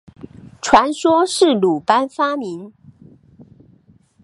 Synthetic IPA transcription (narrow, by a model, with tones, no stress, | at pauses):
ʈ͡ʂʰwa˧˥nʂwɔ˥ʂɻ̩˥˩lu˨˩pa˥nfa˥mi˧˥n